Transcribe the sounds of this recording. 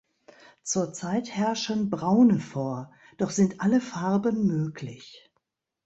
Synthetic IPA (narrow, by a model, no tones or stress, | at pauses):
t͡suːɐt͡saɪthɛɐʃənbʁaʊnəfoːɐ | d̥ɔχz̥ɪntʔaləfaʁbənmøːklɪç